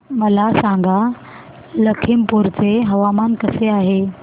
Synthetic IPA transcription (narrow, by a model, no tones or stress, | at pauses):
məlasãŋɡʱa | ləkʰimpuɾt͡seɦəʋamankəseaɦe